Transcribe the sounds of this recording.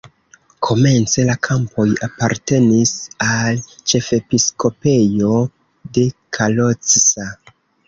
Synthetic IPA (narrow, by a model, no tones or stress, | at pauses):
kʰo̞me̞nt͡se̞lakʰampo̞japaɾte̞nisalt͡ʃe̞fe̞piskʰo̞pe̞jo̞ | de̞kʰalot͡sisa